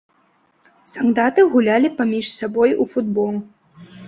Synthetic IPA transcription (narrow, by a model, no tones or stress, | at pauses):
sand̪at̪ɨɣulʲalʲipamʲiʂsabɔjufud̪bɔlˠ